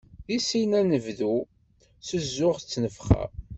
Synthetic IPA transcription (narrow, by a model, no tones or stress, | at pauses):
jisinænəvðu | səzːʊʁət͡sːnəfχæ̰